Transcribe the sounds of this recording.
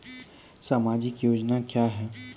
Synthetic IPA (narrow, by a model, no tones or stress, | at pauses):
saːmaːd͡ʒɪkjoːd͡ʒnakjaːɦɛː